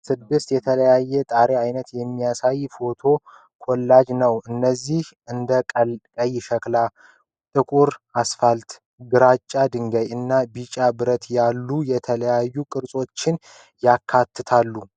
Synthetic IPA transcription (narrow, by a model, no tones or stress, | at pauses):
sɨd̪ːɨst̪jɛt̪ʰələjajːɛt̪ʼaɾeajnət̪jɛmːijasajfo̞t̪ʰo̞ | kʰɔlːad͡ʒnəwʔɨnːəzːih | ɨnd̪əkʼəlkʼəjʃəkla | t̪ʼɨkʼuɾasfalt̪ | ɡɨɾat͡ʃʼːad̪ɨŋɡəjɨnːabit͡ʃʼabɨɾət̪jalːujɛt̪ʰələjajːukʼɨɾsʼo̞t͡ʃːɪn | jakʰːat̪ʰːɨt̪ʰalːu